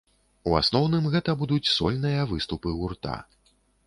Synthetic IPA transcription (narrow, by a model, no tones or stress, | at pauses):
ua̰snɔwnɨmɣɛt̪ɐbud̪ut͡sʲsɔ̰lʲnɨjɐvɨst̪upɨɣurt̪a̰